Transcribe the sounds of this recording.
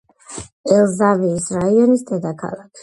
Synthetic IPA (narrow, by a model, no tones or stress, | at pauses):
ɛlˠzaviːsɾaiɔnisd̪ɛd̪akʰa̰lˠakʰi